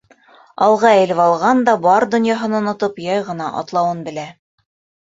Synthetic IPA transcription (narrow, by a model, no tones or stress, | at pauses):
ɑlˠʁɑæ̆lɘvɑlˠʁɑnd̪ɑbɑɾd̪ŏnjɑɦɤ̆nɑonŏt̪ɤpjɑjʁɤ̆nɑʔɑ̰t̪lˠɑwɤnbɘ̆læ